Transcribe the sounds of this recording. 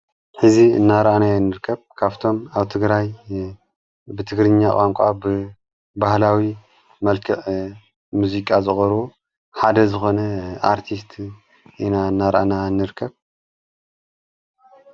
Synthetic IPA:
ħɨziɨ̰nːaɾʔanajɛnːɨɾkʰːɐβkʰaβt̪ʰo̞maβt̪ʰɨɡɾaj | bɨt̪ʰɨɡɾɨɲːakʼaŋkʷʼabɨ | bahlawi | mɐlkʰɨʕ | muzikʼazɨxʼɐɾo | ħad̪ɐzɨxo̞nɐaɾt̪ʰist̪ʰ | ʔinaɨnːaɾʔa̰nanːɨɾkʰːɐβ

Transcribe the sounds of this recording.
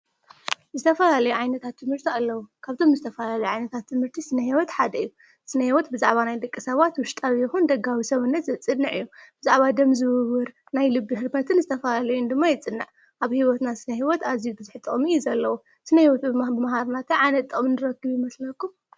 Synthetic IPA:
zɨt̪ʰɐfɐlalɐjuʕajnɐt̪ʰat̪ʰːɨmhɨɾt̪ʰialːɐwukʰaβt̪ʰo̞mzɨt̪ʰɐfɐlalɐjuʕajnɐt̪ʰat̪ʰːɨmhɨɾt̪ʰisɨnɐhiwɔt̪ħad̪ɐɨjːu | sɨnɐhiwɔt̪bɨzaʕβanajd̪ɐkʼːisɐβat̪wʊʃt̪ʼaβjɪxund̪ɐɡawisɐβɨnːɐt̪zɐt͡sʼːɨnːɨʕɨjːub̥ɨzaʕβad̪ɐmzɨwɨβɨɾ | najlɨbːihɨɾbɐt̪ʰɨnzɨt̪ʰɐfɐlalɐjund̪ɨmːajɛt͡sʼɨnːɨʕ | ʔaβhiwɔt̪nasɨnɐɦiwɔt̪azijubɨzɨħt̪ʼɨχʼmizɐlːɐwu | sɨnɐhiwɔt̪bɨbɨmɦaɾnat̪ʰɐʕanɐt̪ʼːɨʔʼmɨnɨɾɐkːɨβjimɐslɐkːum

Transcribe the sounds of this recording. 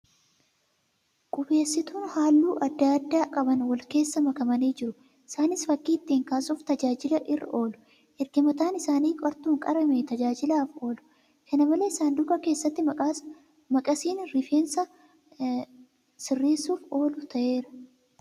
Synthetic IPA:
kʼʊbe̞ːsːɪt̪uːnhaːlːuːʔɐd̪ːɐɐd̪ːaːkʼɐbɐnwɐlke̞ːsːɐmɐkɐmɐniːd͡ʒɪɾʊ | ɪsaːnɪsfɐkːiːt̪ːiːŋkaːsuːft̪ɐd͡ʒaːd͡ʒɪlɐʔɪrːʔɐ̰ʔo̞ːlʊ̥ | hɛɾɡɪmɐt̪aːnɪsaːniːkʼɐɾt̪uːŋkʼɐɾɐmet̪ɐd͡ʒaːd͡ʒɪlaːfo̞ːlʊ̥ | kʰɐnɐmɐleɪsaːnd̪ʊɡɐke̞ːsːɐt̪ːɪ | mɐkʼɐsiːnɾɪfeːnsɐ | sɪrːeːsuːfo̞ːlʊt̪ɐʔe̞ːɾɐ̥

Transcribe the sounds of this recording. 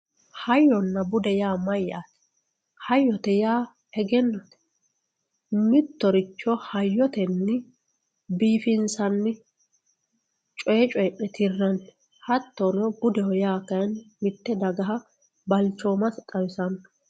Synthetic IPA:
hɐjːɔnːɐbʊd̪ɛjaːmɐjːa̰ːt̪ɛ̥ | hɐjːɔt̪ɛjaː | ɛɡɛnːɐt̪ | mɪt̪ːɔɾɪt͡ʃːɔhɐjːɔt̪ɛnːɪ | biːfɪnsɐnːɪ | t͡ʃʼɔjɛt͡ʃʼɔjɛʔɛt̪ʰɪrːɐn | hɐt̪ːonɔɡʊd̪ɛwɔjaːkɐjnmɪt̪ːɛd̪ɐɡɐɦɐ | bɐlt͡ʃːoːmɐst̪ʼɐwɪsɐn

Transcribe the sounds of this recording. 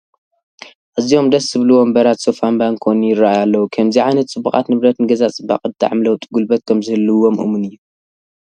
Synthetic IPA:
ʔɨzio̞md̪ɐsɨβluwombɐɾat̪sofambankʰonujɪɾːaʔjalːɐwukʰɐmziʕajnɐt̪t͡sʼɨbːukʼa̰t̪nɨβɾɐt̪nɨɡɐzat͡sʼɨbːa̰qʼɨt̪ʰʼːa̰ʕmlɐwt̪ʼiɡulbɐt̪̚kʰɐmzɨhɨlːɨwomʔɨ̰munɨjːu

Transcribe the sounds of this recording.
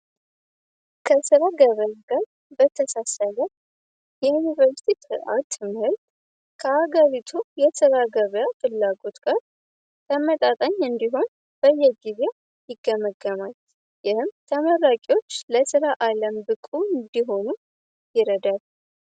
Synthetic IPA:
kʰəsɨɾaɡəβjaɡaɾ | bət̪ʰəsasələ | jɛjunivəɾst̪it̪ɨa̰t̪ʰːɨmhɨlt̪ | kʰəhaɡəɾit̪ʰujɛsɨɾaɡəβjafɨlːaɡo̞t̪ɡ̥aɾ | t̪ʰəmət̪ʼat̪ʼəɲːɨnd̪iɦo̞n | b̥əjːɛɡize̞ | jɪɡəməɡːəmal | jɪhɨmt̪ʰəməɾakʼiwo̞t͡ʃːləsɨɾaʔaləmbɨkʼuɨnd̪iɦo̞nu | jɪɾəd̪al

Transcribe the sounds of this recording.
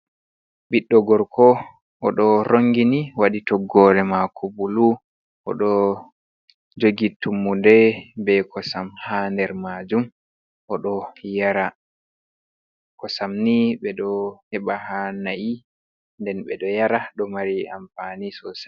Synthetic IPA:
ɓiɗːɔɡɔɾkɔ | ʔɔɗɔɾoŋɡiniwaɗitɔɡːɔɾɛmakʰɔbulu | ʔɔ̰ɗɔ | d͡ʒoɡitumːudɛbɛkɔsamhandɛɾmad͡ʒum | ʔɔɗɔjaɾa | kɔsamniɓɛɗɔhɛɓahanaʔi | ndɛnɓɛɗɔjaɾaɗɔmaɾia̰mfanisɔsa

